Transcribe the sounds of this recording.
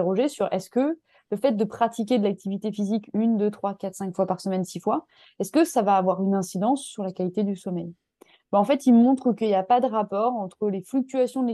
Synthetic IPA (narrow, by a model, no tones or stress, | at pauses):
ʁɔʒesyʁɛskə | ləfɛt̪̚d̪əpχat̪ik̬ʲed̪əlak̚t̪ʰivit̪efizikʲynd̪øt̪χwakat̪χsɛ̃kfwapaʁsəmɛnsifwa | ɛskəsavaːvwaʁynɛ̃sid̪ɑ̃sːyʁlakalit̪ed̪ysɔmɛj | bɛɑ̃fɛt̪ilmɔ̃t̪χəkəiljapad̪əʁapɔʁɑ̃t̪χəleflyk̚t̪yasjɔ̃d̪le